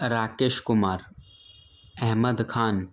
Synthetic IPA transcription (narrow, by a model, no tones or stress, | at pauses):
ɾaːkeːʃkʊmaːɾ | ɛɦməd̪kʰaːn